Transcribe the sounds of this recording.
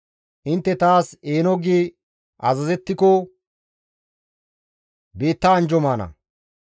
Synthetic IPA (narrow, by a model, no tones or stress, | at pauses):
ʔɪnt̪ːɛt̪aːseːnɔɡi | ʔɐzɐzɛt̪ːɪkɔ | be̞ːt̪ːɐːnd͡ʒɔmaːnɐ̰